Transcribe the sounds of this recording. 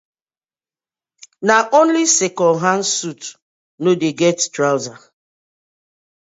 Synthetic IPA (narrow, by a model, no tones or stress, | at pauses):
naʔõnlisekɔɦan̩sut | nodeɡɛttɾawza